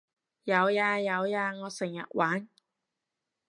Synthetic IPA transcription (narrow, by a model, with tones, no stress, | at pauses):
jɐ˨˧wjaː˧jɐ˨˧wjaː˧ŋɔː˨˧sɪ˨˩ŋjɐ̰˨t̚waː˨˥n